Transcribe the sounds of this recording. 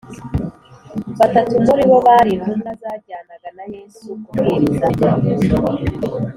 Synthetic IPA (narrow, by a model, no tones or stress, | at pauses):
βatatumbuɾiβo̞βaɾinumnazaːɾɟaːnaɡanajeːzukuɾeɾizaa